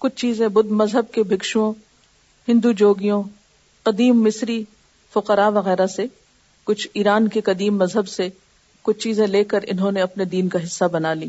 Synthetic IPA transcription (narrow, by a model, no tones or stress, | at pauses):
kʊt͡ʃʰt͡ʃiːzẽbʊd̪mɐzɦəb̚kebʱɪkʃuõ | hɪ̃nd̪ud͡ʒoːɡijõ | qɐd̪iːmːɪsɾi | fʊqəɾaʋɐɣɛːɾase | kʊt͡ʃʰiːɾaːnkeqɐd̪iːmːɐzɦəbse | kʊt͡ʃʰt͡ʃiːzẽleːkəɾɪ̰nɦõneɐpned̪iːnkaɦɪsːabɐnaːliː